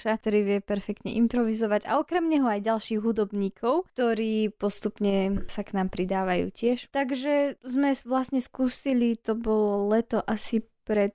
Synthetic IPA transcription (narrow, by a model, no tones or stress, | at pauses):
ʃat̪ɔɾiːʋɪɛpɛɾfɛk̚t̪ɲɛ̰ʔimpɾɔʋizɔʋaɟa̰ɔkɾɛmɲɛɦɔajɟalʃiːɣɦud̪ɔbɲiːkʰɔʊt̪ɔɾiːpɔst̪upɲɛsaknaːmpɾid̪aːʋajṵːcɪɛʃt̪aɡʒɛzmɛʋlasɲɛskusilit̪ɔbɔlɔlɛt̪ɔʔasipɾɛt̪